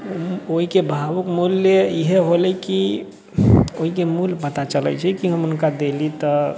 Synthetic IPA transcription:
oɦikebʱaʋukmulːjəiɦeɦolɛki | oɦikemulpət̪at͡ʃələ̰t͡ʃʰɛkiɦəmʊnkad̪elit̪ə

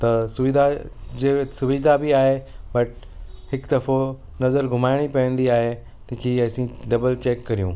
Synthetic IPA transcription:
t̪ɐsʊʋɪd̪ʱad͡ʑesʊʋɪd̪ʱabʱiaːɦebɐʈ | hɪkd̪ɐɾfo | nɐzəɾɡʱʊmaːɪɽ̃ipɐjə̃nd̪iaːɦe | t̪ĩːkʰeɐːsĩɖɐbəlt͡ɕeːkːɐɾijũː

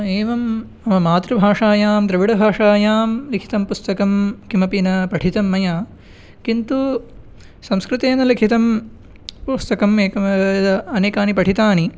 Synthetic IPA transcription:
eːʋɐm | ɐmɐmaːt̪ɾɐbʱaːʂaːjaːmt̪ɾɐʋiɽɐbʱaːʂaːjaːmlikʰi̥t̪ɐmpust̪ɐkɐmkimɐpinɐpɐʈʰit̪ɐmːɐjaː | kint̪u | sɐ̃mskɾut̪eːnɐlikʰit̪ɐm | pust̪ɐkɐmeːkɐ | ɐneːkaːnipɐʈʰit̪aːni

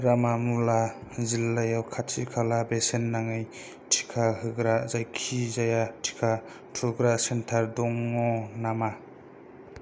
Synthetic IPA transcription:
ɾamamulazilːajawkʰatsikʰalabesenːaŋɯj | tʰi̥kʰahɯɡɾazajkʰizajatʰi̥kʰa | tʰuɡɾasentʰaɾdɔŋɔnama

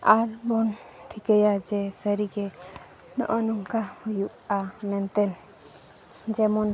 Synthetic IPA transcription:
aɾbɔnʈʰikəjad͡ʒɛsəɾiɡɛ | nɔ̰ʔɔnuŋkahujuʔamɛnt̪ɛn | d͡ʒɛmɔn

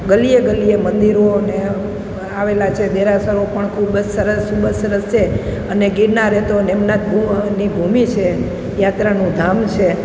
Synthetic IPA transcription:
ɡəlijeɡəlijemənd̪iɾoəne | aʋelat͡ʃʰed̪eɾasəɾopəɳkʰubəd͡ʒsəɾəskʰubəsːəɾəst͡ʃʰe | əneɡiɽnaɾɛɦt̪onemnat̪̚unibʱumit͡ʃʰe | jat̪ɾanũd̪ʱamt͡ʃʰe

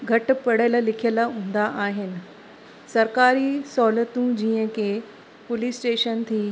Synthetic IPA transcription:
ɡʱɐʈ̆pɐɽələ̆lɪkʰijələɦũːn̆d̪aʔaːɦɪnɪ̆ | sɐɾkaːɾisɔːlət̪ũd͡ʑiːə̃kʰe | pʊlisʈeːʃənt̪ʰiː

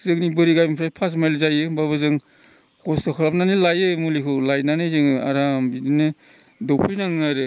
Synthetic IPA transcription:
zɯŋnibɯɾiɡajmpʰɾajpʰas̬majlzajɯbaβɯzɯŋ | kʰɔstɔkʰɔɾap̚nanilajɯmulikʰɯwlajnanɯzɯŋa̰ɾambidinɯ | dɔwpʰɯjnaŋnaɾɯ

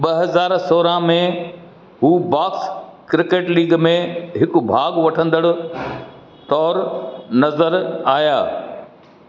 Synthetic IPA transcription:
ɓɐɦɐzaːɾsoːɾãmẽ | ɦuːbaːkskɾɪkeːʈliːɡmẽɦɪkʊ̆bʱaːɡʋɐʈʰə̃nd̪əɽʊ | t̪ɔːɾnɐzəɾaːjaː

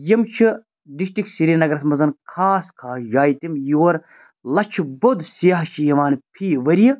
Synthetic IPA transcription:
jimt͡ʃʰi | d̪iʃʈiksiɾinɐɡɾɐsmɐzɐnkʰaːskʰaːsd͡ʒaːjt̪imjoːɾ | lɐt͡ʃʰibod̪sijaɦt͡ʃʰijɐʋaːnpʰiːʋɐɾji

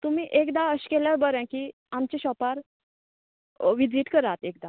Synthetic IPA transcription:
t̪um̤iːʔekd̪aəɕkeljaɾbəɾãkiː | amt͡ɕiɕɔpaɾ | ʋid͡ziːʈkəɾat̪ek̚d̪a

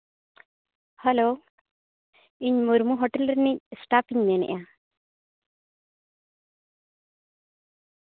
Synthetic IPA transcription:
hɐlo | iɲmuɾmuɦoʈeləɾnisʈapiɲnenɛ̰ʔjã

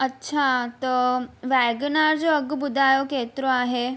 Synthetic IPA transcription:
ətːɕʰat̪əʋajɡnaɾd͡zoəɡbud̪ʱajoket̪ɾoaɦe

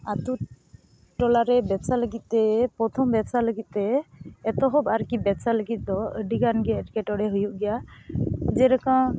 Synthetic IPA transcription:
at̪u | ʈɔlaɾɛbɛsaləɡit̪̚ˀtɛpɾɔt̪ʰɔmbɛsaləɡit̪̚ˀt̪ɛːt̪ɔɦɔbaɾkibɛsaləɡit̪̚ˀd̪ɔəɖiɡanɡɛəʈkɛʈɔɽɛɦujuʔɡɛja | d͡ʒɛɾakã

